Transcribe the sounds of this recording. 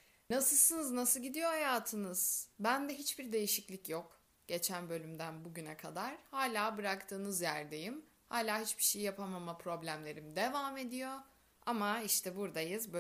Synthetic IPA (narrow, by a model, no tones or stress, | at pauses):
nasɯsɯnɯznasɯlˠɟid̪ijo̞hajaːt̪ʰɯnɯz̥bænd̪ɛɦit͡ʃbiɾd̪e̞jiʃiclʲicjok | ɟ̥e̞t͡ʃʰænbø̞lʲymd̪ænbuɟynɛkʰad̪aɾ̥haːlʲaːbɯɾakt̪ʰɯːnɯzjæɾd̪e̞jim | haːlʲaːɦit͡ʃbi̥ʃejijapʰamamapʰɾo̞blʲæmlʲe̞ɾimid̪e̞vaːme̞d̪ijo̞ | amaiʃt̪ʰɛbuɾd̪ajɯzbø